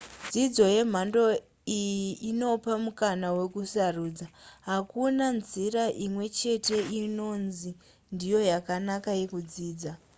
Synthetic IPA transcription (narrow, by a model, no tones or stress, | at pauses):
d͡zid͡zo̞je̞m̤ando̞ | ijiʔino̞pamukanawe̞kusaruːd͡zaɦakunanziɾaʔimwe̞t͡ʃe̞te̞ino̞nzi | ndijo̞jakanakaje̞kud͡ziːd͡za